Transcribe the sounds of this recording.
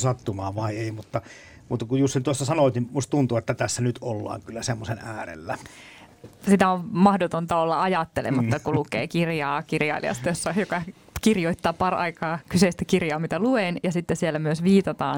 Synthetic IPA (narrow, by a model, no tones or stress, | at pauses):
sɑt̪ːumɑːʋʋɑˑieˑimut̪ːɑ | mut̪ːɑkujjust̪int̪uosːɑsɑnoˑt̪nimmust̪t̪unt̪uet̪ːæt̪æsːænyt̪olːɑ̰ːŋkylːæsemːosenæːrḛlːæ | sit̪æoʋmɑhdot̪ont̪ɑolːɑɑjɑt̪ːelḛmɑt̪ːɑkulukḛːkirjɑːkirjɑ̰ilḭɑ̰st̪ɑjosːɑjokɑ | kirjoit̪ːɑːpɑrɑikɑːkyseist̪ækirjɑːmit̪æluenjɑsit̪ːesielːæmyøsʋiːt̪ɑt̪ɑ̰ːn